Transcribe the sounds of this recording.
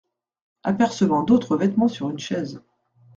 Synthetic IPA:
a̰pɛʁsəvɑ̃d̪ot̪χəvɛt̪mɑ̃syʁynʃɛz

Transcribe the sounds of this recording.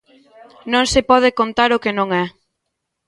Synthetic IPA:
nõŋsepɔð̞ɪkont̪aɾʊkenõŋɛ

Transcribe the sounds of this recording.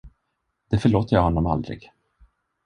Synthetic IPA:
d̪̥ɛfœɭoːt̪əɾjɑhɔnːɔma̰ld̪ɾɪ̰ɡ̥

